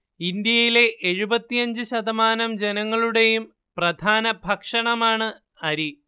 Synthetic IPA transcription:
ind̪jɐjile̞ʔeɻubɐt̪ːijɐɲd͡ʑɨɕɐd̪ɐmaːnɐmd͡ʑe̞nɐŋːɐɭuɽe̞jum | prɐd̪ʱaːnɐbʱɐkʂɐɳɐmaːɳɨ | ɐɾi

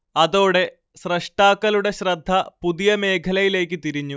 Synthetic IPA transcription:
ɐðo̞ːɽe̞ | ɕrɐʂʈaːkːɐluɽe̞ɕrɐd̪ʱːɐpuðijɐme̞ːkʰɐlɐjile̞ːkʲːɨt̪iɾiɲːu

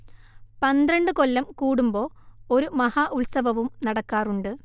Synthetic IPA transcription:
pɐnd̪ɾɐɳɖɨko̞lːɐmkuːɽumbo̞ː | o̞ɾumɐhaːʔuɭsɐʋɐʋumnɐɽɐkːaːruɳɖɨ

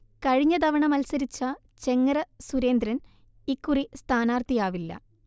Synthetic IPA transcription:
kɐɻiɲːɐd̪ɐʋɐɳɐmɐlsɐɾit͡ɕːɐ | t͡ɕe̞ŋːɐɾɐsuɾe̞ːnd̪ɾɐn | ikːurist̪ʰaːnaːrt̪ijaːʋilːɐ̰

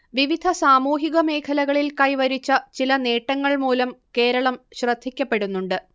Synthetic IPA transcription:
ʋiʋid̪ʱɐsaːmuːɦiɣɐme̞ːkʰɐlɐɣɐɭilkɐjʋɐɾit͡ɕːɐt͡ɕilɐne̞ːʈːɐŋːɐɭmuːlɐmke̞ːɾɐɭɐmɕrɐd̪ʱːikʲːɐpːe̞ɽunːuɳɖɨ

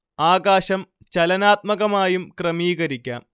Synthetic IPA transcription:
aːɣaːɕɐm | t͡ɕɐlɐnaːt̪̚mɐɣɐmaːjumkrɐmiːɣɐɾikʲːa̰ːm

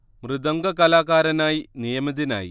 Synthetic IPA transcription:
mrɨd̪ɐŋɡɐkɐlaːkaːɾɐnaːjinijɐmɐðina̰ːjḭ

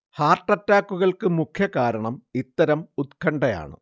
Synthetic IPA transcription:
haːrʈːɐtːaːkːuɣɐɭkɨmukʰjɐkaːɾɐɳɐmit̪ːɐɾɐmut̪kʰɐɳɖɐja̰ːɳɨ̰

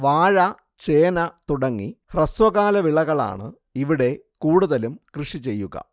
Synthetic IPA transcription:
ʋaːɻɐ | t͡ɕe̞ːnɐt̪uɽɐŋːihrɐsʋɐɣaːlɐʋiɭɐɣɐɭa̰ːɳɨ | iʋiɽe̞ | kuːɽuðɐlumkrɨʂit͡ɕe̞jːuɣɐ̰

